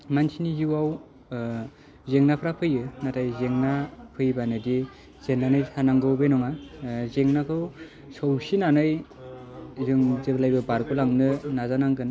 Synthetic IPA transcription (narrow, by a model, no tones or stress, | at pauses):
mansiniziwaw | zeŋnapʰɾapʰɯjɯnatʰajzeŋnapʰɯjbanɯdi | z̥enːanɯjsanaŋɡɯwbenɔŋazeŋnakʰɯw | sɔwsinanɯj | zɯŋzeblajbɯbaɾkɯlaŋnɯnazanaŋkɯn